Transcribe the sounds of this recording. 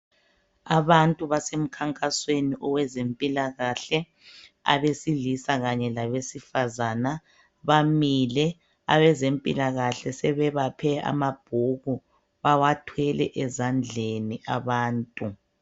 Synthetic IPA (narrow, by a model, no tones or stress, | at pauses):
aβantʼuβasem̩kʰaŋkʼasweniʔɔwɛzempʼilaɣaɬɛ | a̰βesilisaɣaɲɛlaβesifazana | βamilɛ | a̰βɛzempʼḭlaɣaɬɛsɛβɛβapʰɛa̰mab̥ʱuɣu | βawatʰwɛlɛ̰ʔɛzand͡ɮʱeniʔaβaːntʼu